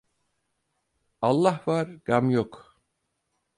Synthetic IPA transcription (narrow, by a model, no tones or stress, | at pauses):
alˠːahvaɾɡ̥amjok